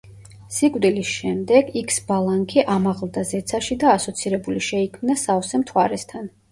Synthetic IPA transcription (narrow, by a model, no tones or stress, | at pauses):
sikʼvd̪ilisʃɛmd̪ɛɡikʰsbalˠaŋkʰiʔamaʁlˠd̪azɛt̪sʰaʃid̪aːsɔt̪sʰiɾɛbuliʃɛikʰmnasavsɛmt̪ʰwaɾɛst̪ʰan